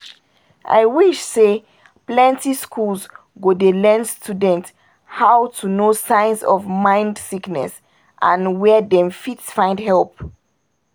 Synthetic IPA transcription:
ʔa̰ɪwiʃse | plɛ̃ntiskʰulz | ɡodelɛnstʰudɛ̃nt | haʊtʰunosãɪ̃nsɔ̰vmãɪ̃ndsiknɛ̰s | ʔãnwɛdɛ̃mfitsfãɪ̃ndhɛlp̚

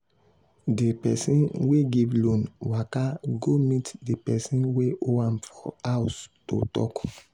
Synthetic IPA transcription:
dipɛsĩnweɡivlõnwakaɡomitdipɛsĩnweoãmfɔhaʊsto̰tɔ̰k

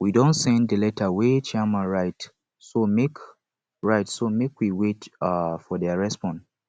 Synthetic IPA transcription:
widɔ̃ntsɛ̃nddəlɛtʰəwet͡ʃamãɹaɪt | somek | ɹaɪtsomekwiwetafɔðɛɹɛspɔ̃n

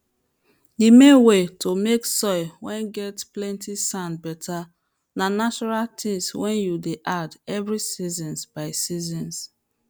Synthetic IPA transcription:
dimẽnwetʰomeksɔɪwɛ̃nɡɛtplɛ̃ntisãnbɛtʰa | nanat͡ʃɔɹaltʰĩswɛ̃njudeʔadɛvɹisizɔ̃nzb̥aɪsizɔ̃ns

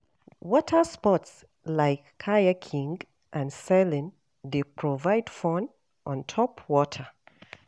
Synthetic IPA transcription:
wɔtʰəspɔts | laɪkʰːajəkʰĩŋɡ | ʔãnsɛlɪ̃n | depʰɹ̥ɔvaɪdfɔ̃n | ʔɔ̃ntʰɔpʰwɔtʰə

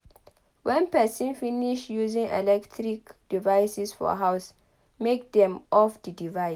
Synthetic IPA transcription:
wɛ̃npɛsə̃nfiniʃjuzĩŋɛ̰lɛktʰɾikd̥ivajsisfɔ̰ɦaws | mek̚dɛ̃mʔɔfdədivas

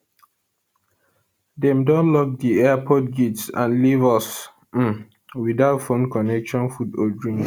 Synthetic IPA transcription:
dɛ̃mdɔ̃nlɔk̚diɛapʰɔt̚ɡitsã̰nlivɔs̩ | widaʊtfõnkɔnɛkʃɔ̃nfudo̰dɹĩŋ

